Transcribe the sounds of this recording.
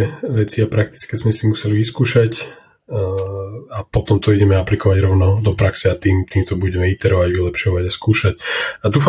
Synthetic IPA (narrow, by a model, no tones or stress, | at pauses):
ɛʋɛt͡siapɾak̚t̪i̥t͡skɛzmɛsimusɛliʋiskuːʃac | apɔt̪ɔmt̪ɔiɟɛmɛaplikɔʋaɟɾɔʊnɔd̪ɔpɾaksɛat̪iːmt̪iːmt̪ɔbuɟɛmɛit̪ɛɾɔʋaɟʋilɛpʃɔʋaɟaskuːʃacad̪uːf